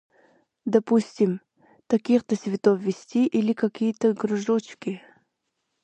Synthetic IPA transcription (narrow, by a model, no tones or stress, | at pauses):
d̪ɐpusʲtʲɪm | t̪ɐkʲixt̪əsʲvʲɪt̪ofvʲɪsʲtʲiʔilʲɪkɐkʲijət̪əɡɾʊʐot͡ɕkʲɪ